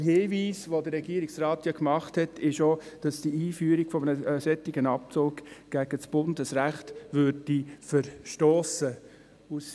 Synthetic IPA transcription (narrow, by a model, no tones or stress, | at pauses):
əɦeːviːsʋodəɾːɛɡiːəɾiksraːt̪jɑkmɑχthɛtʰɪʃod̥ɑsd̥iiːfyːəɾiɡfɔmənəsɛtːiɡənɑp̚t͡soːɡɡ̥æɡ̥ət͡sb̥ʊndəsɾæχtʋøɾd̥ifəɾʃtoːsə | us